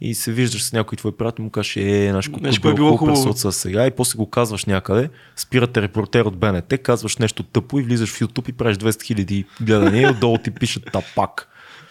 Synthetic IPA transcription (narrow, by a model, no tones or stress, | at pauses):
ḭsɛviʒd̪əʃsnʲakoit̪vɔipɾʲiat̪ɛlˠimʊkazɛʃɛnaʃkoabbiɔoxb̪ɔɾt̪səsɛɡaipɔslɛɡokazvəʃnʲakəd̪ɛ | spiɾət̪ɛɾɛpoɾt̪ɛɾod̪̚bɛnɛt̪ɛkazvəʃnɛʃt̪ot̪ɤpoivlizəʃfjut̪upipɾaɛʒd̪vɛsɛt̪xilʲɐd̪iɡlɛd̪əniɛod̪d̪ɔlˠot̪ipiʃət̪ːapak